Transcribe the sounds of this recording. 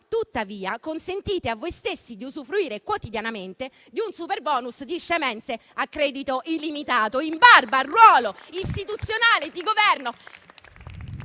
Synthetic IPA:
t̪ut̪ːaviːakonsent̪iːt̪eavːojst̪esːid̪iuzufɾuiːɾekwot̪id̪janament̪e | d̪iunsuperbɔːnusd̪iʃːemɛnt̪seakːɾɛːd̪it̪oʔilːimit̪aːt̪oimbarbarwɔːloist̪it̪ut̪sːjonaːled̪iɡovɛrno

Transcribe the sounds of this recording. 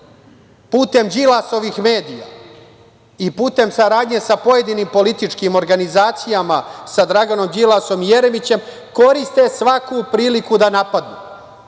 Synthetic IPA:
puːt̪e̞md͡ʑilˠaso̞ʋixme̞ːd̪ija̰ | ipuːt̪e̞msaɾaːd̪ɲe̞sapo̞je̞d̪inimpo̞lit̪it͡ʂkimo̞ɾɡanizaːt̪sijamasad̪ɾaɡano̞md͡ʑilˠaso̞mije̞ɾe̞mit͡ɕe̞m | ko̞ɾist̪e̞sʋakupɾiːlikud̪anapad̪nṵ

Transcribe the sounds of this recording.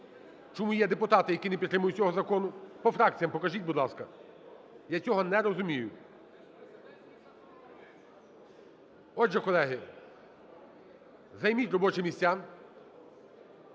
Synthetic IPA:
t͡ʃɔmujɛd̪epʊt̪ɑt̪ɪjɐkʲinepʲit̪ːɾɪmʊjʊtʲt͡sʲɔɦɔzɐkɔnʊpɔfɾɑk̚t͡sʲijɐmpɔkɐʒitʲbʊd̪lˠɑskɐ | jat͡sʲɔɦɔnɛɾɔzʊmʲijʊ | ɔdʒɛkɔlˠɛɦɪ | zɐjmʲitʲrɔbɔt͡ʃɪmʲisʲt͡sʲːa

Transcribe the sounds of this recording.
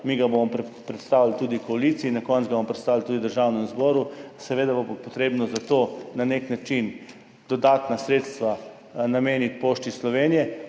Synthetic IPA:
miːɡabomɔmppɾɛt̪st̪aːwlt̪uːd̪ikɔalit̪siinakɔnt̪ɡabompɾɛt̪st̪aːʋlt̪uːd̪id̪əɾʒawnɛmzbɔːɾusɛʋeːd̪aboppɔt̪ɾeːbnɔzat̪oːnaneknat͡ʃin | d̪̥ɔd̪aːt̪nasɾeːt̪st̪ʋa | nameːnit̪poːʃt̪islɔʋeːnijɛ

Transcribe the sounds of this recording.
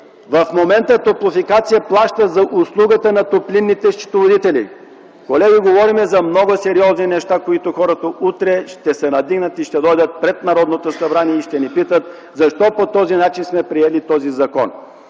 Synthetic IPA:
vɐfmomɛnt̪ət̪oplˠofikat̪sijəplˠaʃt̪əzɐʔʊslˠuɡət̪ənɐt̪oplinːit̪ɛʃt͡ʃi̥t̪ovod̪it̪ɛlḭ | kolɛɡʲiɡovɔɾimɛzɐmnɔɡosɛɾiɔzninɛʃt̪akoit̪oxɔɾət̪əut̪ɾɛʃt̪ɛsɛnɐd̪iɡnət̪iʃt̪ɛd̪ɔjd̪ət̪̚pɾɛt̪nɐɾɔd̪not̪osɐbɾaniɛiʃt̪ɛnipit̪ət̪ | zɐʃt̪ɔpot̪ɔzinat͡ʃinsmɛpɾiɛlit̪ɔzizɐkɔ̰n

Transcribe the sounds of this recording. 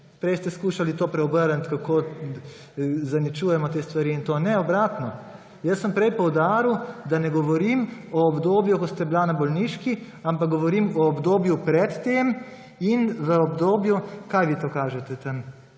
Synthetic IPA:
pɾɛjst̪ɛskuːʃalit̪oːpɾɛɔbəɾənt̪kako | zanit͡ʃuːjɛmɔt̪eːst̪ʋaɾiːnt̪oːnɛɔbɾaːt̪nɔ | jəsːəmpɾɛjpɔwd̪aːɾiwd̪anɛɡɔʋɔɾimɔːbd̪oːbjukɔst̪ɛblanabɔlniːʃki | ampak̚ɡɔʋɔɾimɔːbd̪oːbjupɾɛt̪ːem | inʋəɔbd̪oːbjukajʋit̪oːkaːʒɛt̪ɛt̪əm

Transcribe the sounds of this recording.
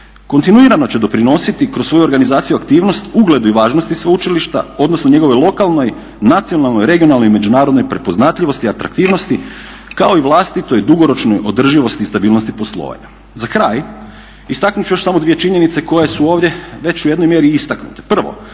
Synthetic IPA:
ko̞nt̪inuiɾano̞t͡ɕe̞d̪o̞pɾino̞sit̪ikɾosʋo̞juoɾɡanizaːt̪sijuakt̪iːʋno̞st̪uɡle̞d̪uiʋaːʒnost̪isʋeut͡ʃiliʃt̪a̰o̞d̪nosno̞ɲe̞ɡo̞ʋo̞jlˠo̞kalˠno̞j | nat̪sijonalˠnojɾe̞ɡio̞nalˠno̞jime̞d͡ʒunaːɾod̪no̞jpɾe̞po̞znat̪ʎʲiʋo̞st̪iat̪ɾa̰kt̪iːʋno̞st̪i | kao̞iʋlˠast̪it̪o̞jd̪uɡo̞ɾo̞t͡ʃno̞jʔo̞d̪r̩ʒiʋo̞st̪iːst̪abiːlˠno̞st̪ipo̞slˠo̰ʋa̰ɲa | zakɾaːj | ist̪aknut͡ɕujo̞ʃsamod̪ʋijet͡ʃiɲe̞nit̪se̞ko̞jesuo̞ːʋd̪ʲje̞ʋe̞t͡ɕujed̪no̞jmjeɾiist̪aknut̪e̥pr̩ʋo̞̰

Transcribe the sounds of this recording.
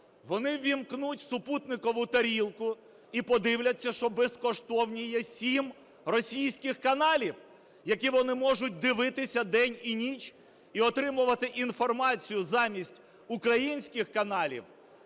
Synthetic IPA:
ʋɔnɪʋʲimknutʲsʊput̪nɪkɔʋʊt̪ɐɾʲilˠkʊ | ipɔd̪ɪwlʲɐt͡sʲːɐʃt͡ʃɔbeskɔʃt̪ɔwnʲijɛsʲim | rɔsʲijsʲkɪxkɐnɑlʲiw | jɐkʲiʋɔnɪmɔʒʊt̚ʲd̪ɪʋɪt̪ɪsʲɐd̪ɛnʲinʲit͡ʃʲ | iɔt̪ɾɪmʊʋɐt̪ɪʔinfɔrmɑt͡sʲijʊzɑmʲisʲtʲ | ʊkɾɐjinʲsʲkɪxkɐnɑlʲḭw

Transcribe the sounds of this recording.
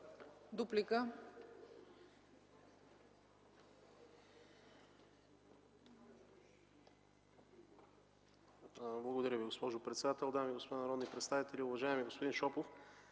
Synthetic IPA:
d̪uplikə | blˠɐɡod̪ɐɾʲəviɡospɔʒʊpɾɛt̪sɛd̪at̪ɛlˠd̪amiɡospod̪anɐɾɔd̪nipɾɛt̪st̪avit̪ɛlʲiʊvɐʒaɛmiɡospod̪inʃɔpof

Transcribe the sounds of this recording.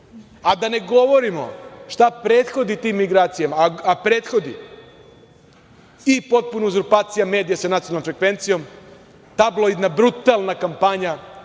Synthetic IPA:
ad̪ane̞ɡo̞ʋo̞ɾimo̞̰ʃt̪apɾeːt̪xo̞d̪it̪iːmːiɡɾaːt̪sijamaapɾe̞ːt̪xo̞d̪i | ipo̞t̪̚punouzuɾpaːt̪sijame̞ːd̪ijasanat̪ionlnomfɾe̞kʋe̞nt̪sijo̞m | t̪ablˠoid̪nabɾut̪alˠnakampaɲa

